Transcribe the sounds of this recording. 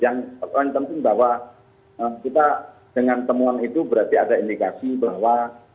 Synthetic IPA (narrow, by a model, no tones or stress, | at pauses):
jaŋaŋpənt̪ɪŋbahwa | əmkit̪a | d̥əŋant̪əmuanit̪ubəɾart̪iadaindikasibaɦwa